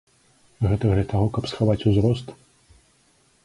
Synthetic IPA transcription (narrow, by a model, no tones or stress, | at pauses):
ɣɛt̪ɐɣlʲɐt̪aɣɔkɐpsxavat͡sʲuzɾɔst̪